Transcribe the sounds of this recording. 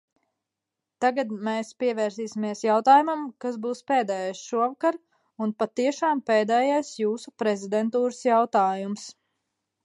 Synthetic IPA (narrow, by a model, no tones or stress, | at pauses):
t̪aɡad̪mɛːspiɛvɛːɾsiːsʲimiɛsjawt̪aːjumamkasbuːspeːd̪ɛːjajsʃuɔvakaɾ | unpat̪iɛʃaːmpeːd̪ɛːjajsjuːsupɾɛzid̪ɛnt̪uːɾəsjawt̪aːjums